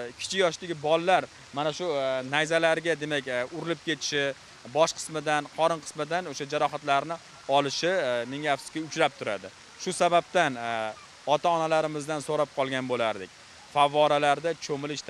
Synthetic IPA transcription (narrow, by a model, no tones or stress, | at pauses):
kʲʰɪ̥t͡ʃʰɪjɒʃd̪ɪɡʲɪbɒlˠːaɾ | manaʃʊnajzalaɾɡʲad̪e̞makʲʊɾɪlɪp̚kʲe̞t̪ʰɪ̥ʃɪ | bɒʃqʰɨ̥smɪd̪anqʰɒɾɨnqʰɨ̥smɪd̪anoʃad͡ʒaɾɒχat̪laɾnɪ | ɒlˠɪʃɪmɪŋafsɪ̥kʲaʊt͡ʃɾap̚t̪ʰʊɾad̪ɪ | ʃʊsabap̚t̪an | ɒt̪ʰaɒnalaɾɪmɪzd̪ansoɾap̚qʰɒlˠɡʲanbolaɾd̪ɪk̚ʲ | favːɒɾalaɾd̪at͡ʃʰomɪlɪʃt̪ʰ